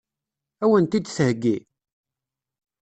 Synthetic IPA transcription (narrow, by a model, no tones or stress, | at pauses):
æwənt̪id̪θəhɡːi